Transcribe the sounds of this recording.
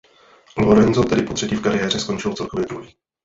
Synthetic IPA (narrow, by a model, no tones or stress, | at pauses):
loɾɛnzot̪ɛdɪpot̪r̥ɛciːfkaɾɪjɛːr̝ɛsko̞nt͡ʃɪlot͡sɛlˠkovjɛd̪ɾuɦiː